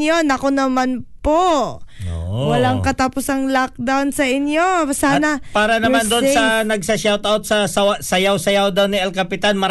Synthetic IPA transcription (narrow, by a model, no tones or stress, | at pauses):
jonɐko̞nɐmanpoʔ | wɐlaŋkɐt̪apʊsɐŋlak̚d̪awnsɐʔɪnjo̞saːnɐpaːɾɐnɐmand̪onsɐnɐɡ̚sɐʃawt̪awt̪̚sɐsɐasɐjawsɐjawd̪awniɛlkɐpɪt̪anmɐɾ